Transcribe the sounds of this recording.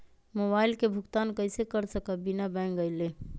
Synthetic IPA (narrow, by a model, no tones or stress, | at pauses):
moːbaːɪlkebʱʊɡt̪aːnkəɪsekəɾsəkabɪnabɛ̃ːŋɡəɪleː